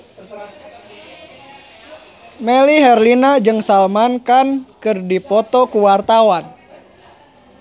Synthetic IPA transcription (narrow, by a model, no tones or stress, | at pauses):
mɛliɦɛrlinad͡ʒɨŋsalmankankɨrdipɔt̪ɔkuwart̪awan